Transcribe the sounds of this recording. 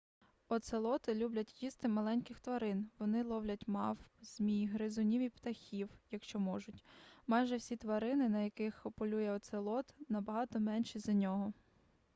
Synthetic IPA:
ɔt̪selˠɔt̪ɪlʲublʲɐtʲjist̪ɪmɐlˠɛnʲkɪxt̪ʋɐɾɪnʋɔnɪlˠɔwlʲɐtʲmɑfz̥mʲijɦɾɪzʊnʲiʋʲipt̪ɐxʲiwjɐkʃt͡ʃɔmɔʒʊtʲmɑjʒɛwsʲit̪ʋɐɾɪnɪnɐjɐkɪxɔpɔlʲujɛɔt̪selˠɔt̪nɐbɐɦɑt̪ɔmɛnʃizɐnʲɔɦɔ

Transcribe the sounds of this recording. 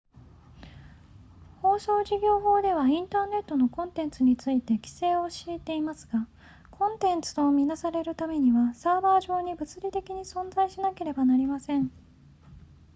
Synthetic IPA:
ho̞ːso̞ːʑiɡʲo̞ːɦo̞ːd̪e̞β̞aĩnt̪aːne̞t̪ːo̞no̞kõ̞nt̪ẽ̞nt͡sɨɲ̟it͡sɨit̪e̞kʲi̥se̞ːoɕiːt̪e̞imasɨɡ̥a | kʰõ̞nt̪ẽ̞nt͡sɨ̥t̪o̞mʲinasaɾe̞ɾɯ̟t̪ame̞ɲ̟iβasaːbaːʑo̞ːɲ̟ibɯ̟t͡sɨɾʲit̪e̞kʲiɲ̟isõ̞nzaiɕinake̞ɾe̞banaɾʲimasẽ̞ɴ

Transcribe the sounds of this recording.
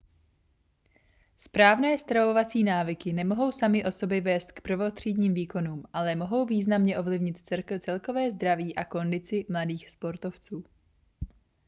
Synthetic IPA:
spɾaːvnɛːst̪ɾavo̞vat͡siːnaːvɪkɪnɛmo̞ɦo̞wsamɪʔo̞so̞bjɛvɛːst̪̚kpɾovo̞t̪r̝̥iːdɲiːmviːko̞nuːmʔalɛmo̞ɦo̞wviːznamɲɛʔo̞vlɪvɲɪt̪t͡sɛkt͡sɛlko̞vɛːzd̪ɾaviːʔako̞ndɪt͡sɪmladiːxspo̞ɾt̪o̞ft͡suː

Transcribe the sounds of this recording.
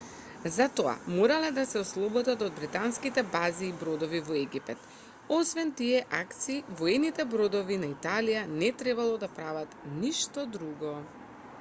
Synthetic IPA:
zat̪ɔa̰moɾalɛd̪asɛɔslˠɔbɔd̪at̪ɔd̪̚bɾit̪anskit̪ɛbaziːbɾɔd̪ɔvivɔɛɡipɛt̪ | ɔsvɛnt̪iɛʔakt̪siːvɔɛnit̪ɛbɾɔd̪ɔvinait̪alijanɛt̪ɾɛbalˠɔd̪apɾavat̪niʃt̪ɔd̪ɾuɡɔ

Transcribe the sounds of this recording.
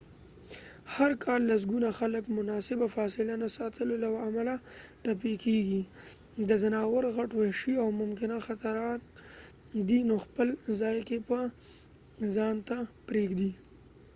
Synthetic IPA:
haɾkʰɑlːas̬ɡunaxaləkmʊnɑsɪbafɑsɪlanasɑt̪ʰəlolawaamalaʈap̬ekeɡi | d̪əzanɑwəɾɣaʈwaʃiawmʊmkɪnaxat̪aɾɑt̪ | d̪inoxpəlzɑjkepə | zɑnt̪apɾeɡd̪i

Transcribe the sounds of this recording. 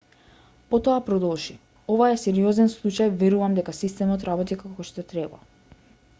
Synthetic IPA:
pɔt̪ɔapɾɔd̪ɔlˠʒi | ovaɛsɛɾiɔzɛnslˠut͡ʃajvɛɾuvamd̪ɛkasist̪ɛmɔt̪ɾabɔt̪ikakɔʃt̪ɔt̪ɾɛba̰

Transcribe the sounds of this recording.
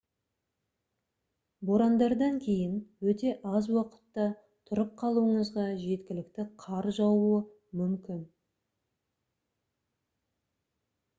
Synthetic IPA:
bo̞ɾɑnd̪ɑɾd̪ɑŋkʲʰe̞jɪnwɵt̪e̞ʔɑzwɑqə̥t̪ːɑ | t̪ʰʊɾəp̚qʰɑlˠuəɴəzʁɑʒe̞t̪kʲɪlɪk̚t̪ɪqʰɑɾʒɑwuə | mʏmkʲɪn

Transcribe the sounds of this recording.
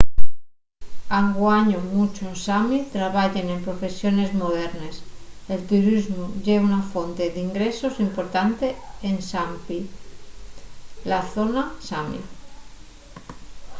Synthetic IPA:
aŋɡwaɲomut͡ʃonsamit̪ɾaβaʎene̞mpɾofe̞sjone̞zmoðeɾneselt̪uɾizmuʝeβunafont̪eðiŋɡɾesosimpoɾt̪ant̪eːnsampi | laθonasamḭ

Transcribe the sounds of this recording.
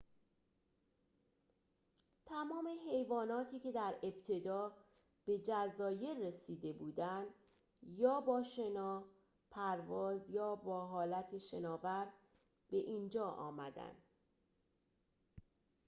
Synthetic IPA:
t̪ʰæmɒːme̞ɦe̞jvɒːnɒːt̪ʰiːcʰe̞d̪æɾe̞bt̪ʰe̞d̪ɒː | b̥e̞d͡ʒæzɒːje̞ɾːe̞siːd̪e̞buːd̪ænd̪ | jɒːbɒːʃe̞nɒː | pʰæɾvɒːzjɒːbɒːɦɒːlæt̪ʰeʃe̞nɒːvæɾ | b̥e̞ʔiːnd͡ʒɒːʔɒ̰ːmæd̪æ̰nd̪̥

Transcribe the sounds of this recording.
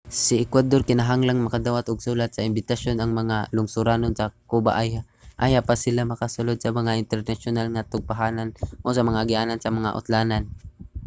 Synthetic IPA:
sɪɛkwad̪orkɪnaɦaŋlaŋmɐkad̪aːwat̪ʊɡ̚suːlat̪̚sɐɪmbɪt̪aʃjonɐŋmɐŋalʊŋsʊɾaːnonsɐkuba̰ʔaja | ʔajapasɪlamɐkasʊlod̪̚sɐmɐŋaʔɪnt̪ɛɾnaʃʊnalŋat̪ʊɡ̚paɦaːnanʔosɐmɐŋaɡɪʔaːnansɐmɐŋa̰ʔʊ̰t̪laːnan

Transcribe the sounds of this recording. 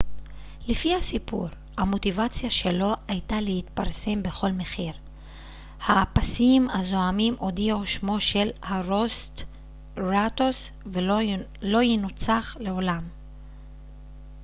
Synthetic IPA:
lefihasipuʁ | hamo̞tivat͡sijaʃe̞lo̞ajtalehit̪paʁse̞mbe̞χo̞lme̞χiʁ | haːpasimhazo̞amimʔo̞d̪ioʃmo̞ʃe̞lhaʁost | ʁat̪os | v | lo̞jinut͡saχle̞o̞lam

